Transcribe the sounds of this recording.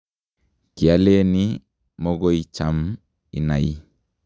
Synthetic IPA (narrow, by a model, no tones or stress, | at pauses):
kialeni | mɔɡoit͡ʃam | ḭna̰jḭ